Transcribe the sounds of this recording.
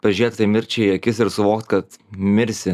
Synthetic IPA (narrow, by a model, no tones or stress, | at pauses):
pɐʒʲɾʲiɛt̪ʲt̪ɐɪmʲɪɾʲt͡ʃʲɛɐkʲɪsɪɾsʊʋoːkt̪kɐt̪mʲɪɾʲsʲɪ